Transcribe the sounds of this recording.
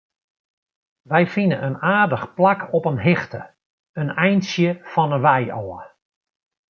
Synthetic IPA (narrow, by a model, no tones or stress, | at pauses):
ʋɛjfɪnənʔənaːrdəxplakʰɔpənɦɪxtə̰ | ənɛjnsjəfɔnənʋɛjɔːə